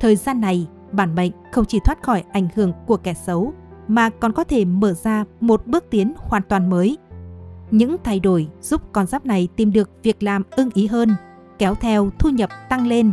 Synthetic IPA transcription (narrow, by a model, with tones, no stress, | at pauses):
t̪ʰəː˨˩jzaː˧nːa˨˩j | ɓaː˧˩nɓə̰˧˨ŋ̟xə˧wŋ͡mt͡ɕi˧˩t̪ʰwaː˦˥t̚xɔ˧˩jʔa˧˩jŋ̟hɨ˧˩əŋku˧˩əkɛ˧˩sə˨˦wmaː˨˩kɔ˨˩nkɔ˨˦t̪ʰe˧˩məː˧˩zaː˧mo˨˩t̚ɓɨ˦˥ək̚t̪i˨˦ənhwaː˨˩nt̪waː˨˩nməː˨˦j | ɲɨ̰˧˥ŋt̪ʰa˧jɗo˧˩jz̥u˦˥p̚kɔ˧nzaː˦˥p̚na˨˩jt̪i˨˩mɗɨ˨˩ək̚vi˨˩ək̚laː˨˩mʔɨ˧ŋʔi˨˦ɦəː˧n | kɛ˨˦wt̪ʰɛ˧wt̪ʰu˧ɲə˨˩p̚t̪a˧ŋle˧n